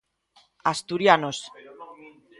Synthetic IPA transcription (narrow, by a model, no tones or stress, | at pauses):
ast̪uɾjanos